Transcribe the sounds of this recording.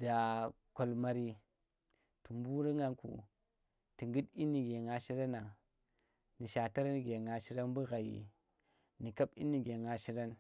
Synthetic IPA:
d̥a˨ | ko˨lma˨ɾi˦ | tu˨mbu˦ɾa˦ŋa˦nkṵ˨ | ti˨ŋɡi˦ti˦ni˨ɡe˨ŋa˨ʃi˦ɾa˦na˨ | ni˨ʃa˨ta˦ɾni˨ɡe˨ŋa˨ʃi˦ɾa˦nbu˦ɣa˨jḭ˨ | ni˨ka˦ɓḭ˦ni˨ɡe˨ŋa˨ʃi˦ɾa˦n

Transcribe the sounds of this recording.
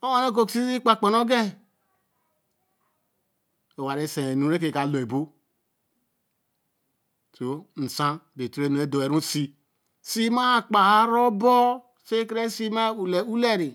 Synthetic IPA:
o˦o˦ne˦k̬o˨ksi˦i˦k͡pa˨k͡po˨no˦ɡe˦ | o˨wa˨ɾe˦sẽ˨e˨nu˨˦ɾe˦ke˨ka˨lo˨e˨bo˦ | so˨n̩˨sã˦be˨tu˦ɾe˦˨no˨e˦do˨e˨ɾũ˦si˦ | si˦ma˦˨k͡pa˨ha˦ɾo˦bo˦ | se˦kɾe˦si˦ma˦u˨le˨u˦le˦ɾi˨

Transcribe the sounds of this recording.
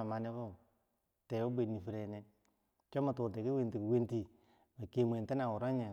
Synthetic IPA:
a˨ma˨ne˦ko˦˨ | te˨u˦bʷe˨ni˨fi˨ɾe˨ne˦ | t͡ʃo˦ma˨tuː˨te˨ki˦we˦nti˨ki˨we˦nti˨ | ma˨ke˨m˨e˨nte˦na˨wu˨ɾo˦ɲe˨

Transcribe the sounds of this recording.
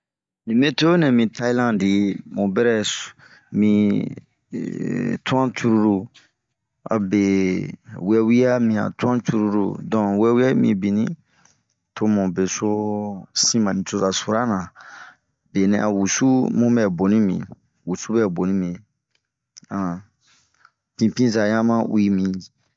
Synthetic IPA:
nĩ˨mbɛ˦to˦o˦nɛ̃˨mĩ˨tʰa˦i˦lã˦di˨mõ˨bɛ˦ɾɛ˦ | mĩ˨˦ | tu˦ã˦t͡ʃu˦ɾu˦ɾu˦ | a̰˨bɛ˨ | wɛ˦wi˦ja˦mĩ˨a̰˨tu˦ã˦t͡ʃu˦ɾu˦ɾṵ˦dɔ̃˨wɛ˦wi˦a˦mḭ̃˦bi˨nĩ˦ | tʰo˦˧mɔ̃˨be˨so˦sĩ˦mã˨nĩ˨to˧za˨su˨ɾa˦nã˨ | be˨nɛ̃˨˦a˨wu˨su˦mũ˦mɛ˨bo˨nĩ˦mḭ̃˨ | wu˨su˦bɛ˦˨bo˨nĩ˦mĩ˨ | ã˨ | pĩ˨pĩ˦za˨jã˦mã˦wi˦mĩ˨

